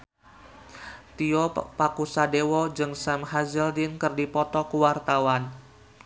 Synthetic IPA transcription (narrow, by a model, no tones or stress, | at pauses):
t̪iɔpakusadewɔd͡ʒɨŋsamɦazəldɪnkɨrdipɔt̪ɔkuwart̪awan